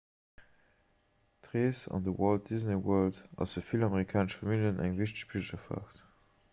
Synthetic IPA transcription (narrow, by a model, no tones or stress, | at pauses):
tʁeːsɑ̰ndəwɔlt̚diznewɜːldɑ̰səfilɑmeʁikʰaːnəʃfɑmiljənʔæŋviʃ̬tə̥ɕpʰilʒɐfa̰ːχt